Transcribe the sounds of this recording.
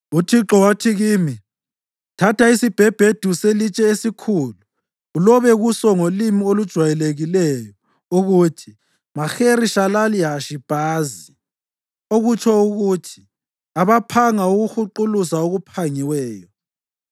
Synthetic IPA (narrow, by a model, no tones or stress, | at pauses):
utʰiǁɔwatʰiɣiːmi | tʰatʰaisib̥ʱɛb̥ʱed̥ʱuselit͡ʃʼɛesikʰuluː | lɔβɛɣusɔŋolimiolud̥ʒ̥ʱwajɛleɣilɛjɔ | uɣutʰi | maxeɾiʃalaliɦaʃib̥ʱaːzi | oɣut͡ʃʰɔuɣutʰi̥ | aβapʰaŋauɣuxuǃulusaoɣupʰaŋiwɛːjɔ